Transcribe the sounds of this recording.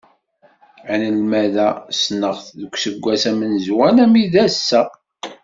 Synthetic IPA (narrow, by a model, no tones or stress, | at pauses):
nəlmæðæsnəʁθðəkʷːsəɡʷːæsæmənzwænæmiðæsːæ